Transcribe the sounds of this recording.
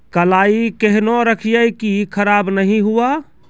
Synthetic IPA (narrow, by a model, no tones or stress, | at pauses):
kəlaːikeɦnoɾəkʰijəjkikʰəɾaːbnəɦĩɦua